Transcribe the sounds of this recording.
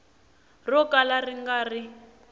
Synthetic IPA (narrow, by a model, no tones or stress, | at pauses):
rɔkalariŋɡari